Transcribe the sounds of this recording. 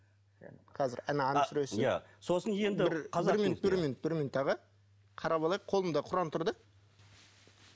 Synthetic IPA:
qʰɑzɪ̰ɾænɑɑnɑsʏɾesɪaso̞sənjend̪ɪɾqʰɑɪɾmʲinʊʊt̪bɪɾminʊt̪̚bɪɾmʲinut̪ːɑʁə | qʰɑɾɑbɑlˠɑjqʰolˠəmd̪ɑqʰʊɾɑnt̪ʰʊɾd̪ə

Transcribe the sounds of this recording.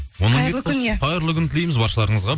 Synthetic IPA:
wonəəkʰʲneqʰɑjɾlˠəkʲʰʏnt̪ʰɪlejmɪzbɑɾʃəlˠɑɾəɴəzʁɑ

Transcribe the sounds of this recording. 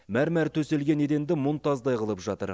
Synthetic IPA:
mæɾmæɾt̪ʰɵse̞lɡʲe̞ne̞d̪e̞nd̪ɪmont̪ɑzd̪ɑjqəlˠəpʒɑt̪ə̰ɾ

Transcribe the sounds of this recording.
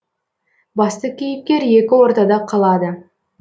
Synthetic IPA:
bɑst̪əkʲʰijɪp̚kʲe̞ɾe̞kʲɪwo̞ɾt̪ɑd̪ɑqʰɑlˠɑd̪ə

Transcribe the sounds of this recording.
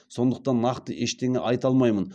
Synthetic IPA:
so̞nd̪əq̚t̪ɑnːɑqt̪əʔeʃt̪eŋɪ̰ʔɑjt̪ɑlˠmɑjmən

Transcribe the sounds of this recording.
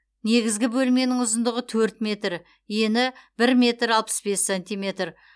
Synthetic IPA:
ne̞ɡʲɪzɡʲɪbɵlme̞nɪŋʊzənd̪əʁət̪ʰɵɾt̪mʲe̞t̪ɾ | je̞nɪb̥ɪɾmʲe̞t̪ɾɑlˠpə̥sbe̞sːenʲt̪ijme̞t̪r

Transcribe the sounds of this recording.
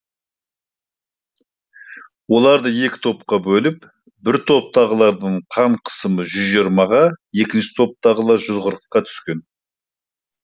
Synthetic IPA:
wo̞lˠɑɾd̪əje̞kʲɪ̥t̪ʰo̞p̚qɑbɵlɪp | bɪɾt̪ʰo̞p̚t̪ʰɑʁəlˠɑɾd̪əɴqʰɑmqʰə̥səməʒʏzʒiɾmɑʁɑje̞kʲɪnʃɪ̥t̪ʰo̞p̚t̪ʰɑʁəlˠɑɾʒʏzqəɾəqːɑt̪ʰʏ̥skʲe̞n

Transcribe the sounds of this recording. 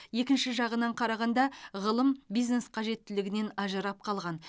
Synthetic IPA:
je̞kʲɪnʃɪʒɑʁənɑɴqʰɑɾɑʁɑnd̪ɑʁəlˠəmbijzne̞sqʰɑʒe̞t̪ːɪlɪɡʲɪne̞nɑʒəɾɑp̚qʰɑlˠʁɑn

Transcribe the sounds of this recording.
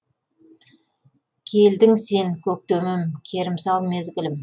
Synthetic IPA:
kʲʰe̞ld̪ɪŋse̞ŋkʲʰɵk̚t̪ɵmɪmkʲʰe̞ɾɪmsɑlˠme̞zɡʲɪlɪm

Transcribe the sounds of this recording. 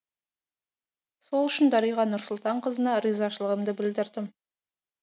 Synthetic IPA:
so̞lˠʏʃɪnd̪ɑɾəjʁɑnʊɾsʊlˠt̪ɑɴqʰəzənɑɾizɑʃəlˠəʁəmd̪əbɪld̪ɪɾd̪ɪm

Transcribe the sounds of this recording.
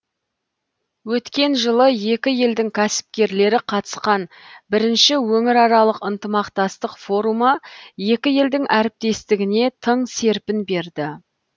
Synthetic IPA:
wɵt̪kʲe̞nʒəlˠəje̞kʲɪje̞ld̪ɪŋkʲʰæsɪ̥p̚kʲe̞ɾle̞ɾɪqʰɑt̪ə̥sqɑnbɪɾɪnʃɪwɵŋɪɾɑɾɑlˠəqənt̪əmɑqt̪ɑst̪əqfo̞ɾumɑje̞kʲɪje̞ld̪ɪŋʔæɾɪp̚t̪e̞st̪ɪɡʲɪne̞t̪ʰəɴse̞ɾpɪnbe̞ɾd̪ɪ

